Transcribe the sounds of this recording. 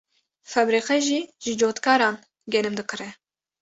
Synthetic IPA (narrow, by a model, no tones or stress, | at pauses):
fɛbɾiːqɛʒiːʒɨd͡ʒoːt̪kɑːɾɑːn | ɡʲɛnɨmd̪ɨkɨɾɛ